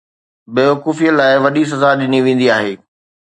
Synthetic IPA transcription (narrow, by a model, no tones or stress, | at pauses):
beːokuːfijəlaːɪʋɐɗis̬ɐzaɗɪniʋẽːn̆d̪iaːɦeː